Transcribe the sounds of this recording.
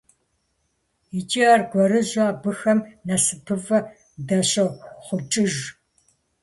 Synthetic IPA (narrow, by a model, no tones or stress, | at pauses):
it͡ʃʼiarɡʷɔɾɨʑaːbɨxɐmnɐsɨpʰɨvɐ | dɐɕɐχʷʊt͡ʃʼɪʒ